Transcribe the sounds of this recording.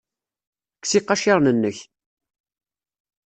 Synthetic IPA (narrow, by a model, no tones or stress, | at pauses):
kːsiqːɑʃɪɾˤnənːəç